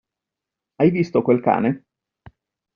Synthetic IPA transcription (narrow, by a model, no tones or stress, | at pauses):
ajvist̪okwelka̰ːne